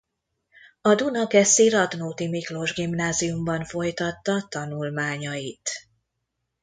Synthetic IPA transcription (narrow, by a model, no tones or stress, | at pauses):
ɒd̪unɒkɛsiɾɒd̪noːt̪imiklo̞ʒɡimnaːzijumbɒnfo̞jt̪ɒt̪ːɒt̪ɒnulmaːɲɒjit̪